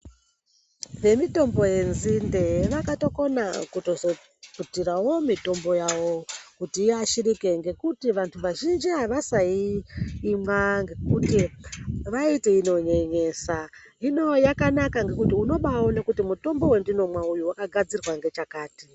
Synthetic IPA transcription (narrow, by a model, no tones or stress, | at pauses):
ʋe̞mito̞mbo̞je̞nzinde̞ʋakato̞ko̞nakutozo | putirawo̞mito̞mbo̞jawo̞kutiːaʃiɾikeŋɡe̞kutiʋantʰuʋaʒind͡ʒiɦaʋasaiː | mwaŋɡe̞kutiʋaiteino̞ɲe̞ɲe̞sa | ino̞jakanakaŋɡe̞kutiuno̞ɓawonekutimuto̞mbo̞we̞ndino̞mwaujuwakaɡʱad͡zirwaŋɡe̞t͡ʃakaːti